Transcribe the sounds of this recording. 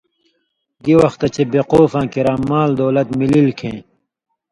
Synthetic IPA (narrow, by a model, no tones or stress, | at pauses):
ɡiwɐxt̪ɐt͡ɕʰebeqoːfãːkiɾãːmaːld̪oːlɐt̪mililkʰẽː